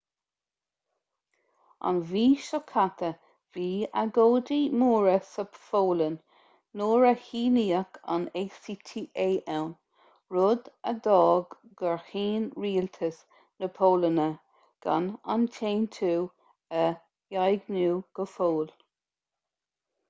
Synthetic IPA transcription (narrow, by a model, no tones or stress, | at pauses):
a̰nviːʃɔkʰat̪ʰə | viːaɡoːdimuːɹəsəfoːlənː | oːɹəhiːniːəkʰa̰neːsiːt̪ʰiːʔeːʔɛwn | ɹʊd̪əd̪ɔːɡɡəɹhiːnɹiːlt̪ʰəs | nəpʰoːlənə | ɡ̥a̰na̰ntʰeːnt̪ʰuː | ə | jajɡnuːɡ̥əfoːl